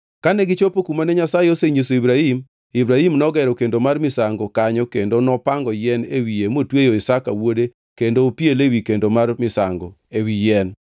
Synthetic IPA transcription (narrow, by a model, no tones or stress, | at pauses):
kanɛɡɪt͡ʃopokumanɛɲasajeoseɲes̬oibɾahim | ibɾahimnɔɡɛɾɔkendomarmɪsaŋɡokaɲɔkendonɔpaŋɡɔjɛnewiemotwejoɪsaka̰wode | kendopjelewikendomarmɪsa̰ŋɡo | ewijɛn